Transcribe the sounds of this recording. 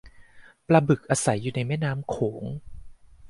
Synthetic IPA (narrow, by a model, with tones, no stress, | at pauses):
pɾa˧bɯ˨˩k̚ʔaː˧sa˩˦jːuː˨˩na˧jmɛː˥˩naː˦˥mkʰoː˩˦ŋ